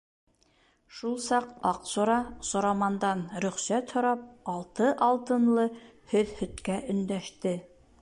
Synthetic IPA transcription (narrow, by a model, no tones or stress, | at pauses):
ʃulˠsɑqɑqsuɾɑsŏɾɑmɑnd̪ɑnɾɵ̆χsæt̪hŏɾɑp̚ɑlˠt̪ɤʔɑlˠt̪ɤ̆nlˠɤhɵðhɵ̆t̪kæʔɵ̆nd̪æʃt̪ɘ